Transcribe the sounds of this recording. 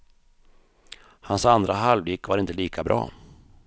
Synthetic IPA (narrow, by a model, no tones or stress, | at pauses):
hansand̪ɾaɦalvɪːkvaɾɪnt̪əliːkʰabɾʔɑ̰ː